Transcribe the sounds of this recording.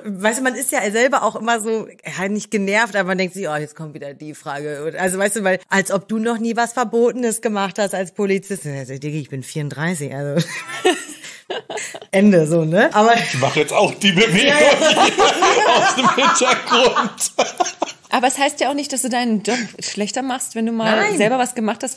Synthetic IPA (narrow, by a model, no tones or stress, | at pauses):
vaɪstuːmanɪstjaːzɛlbɐʔa̰ʊxʔɪmɐzoːanɪçt̚ɡ̥ənɛɐftʔaːbɐmandɛŋk̚tz̥ɪçʔɔːjɛt͡stkʰɔmtv̥iːdɐdiːfʁ̥aːɡəʊntʔalzovaɪsd̥uːvaɪlʔalsʔɔp̚d̥uːnɔχniːvasfɛɐboːtənəsɡ̥əmaχthastalspʰolit͡sɪstnzdɛɡɪçb̥ɪnfiːɐʊntd̥ʁaɪs̬ɪçʔa̰lzo | ʔɛndəzoːnəʔaːbɐɪçmaχəjɛt͡staʊxd̥iːbəveaɡoŋ | aʊsd̥eːmmhɪntɐɡʁʊnt | ʔaːbɐɛshaɪstjaːʊxnɪçt̚d̥asd̥uːdaɪnənd͡ʒɔpʃlɛçtɐmaχstvɛnduːmaːnːlaɪzɛlbɐvasɡ̥əmaχthast